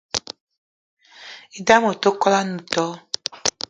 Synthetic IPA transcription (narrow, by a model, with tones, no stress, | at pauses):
i˦da˦mo˨to˦kɔ˦la˦nũ˨tɔ˦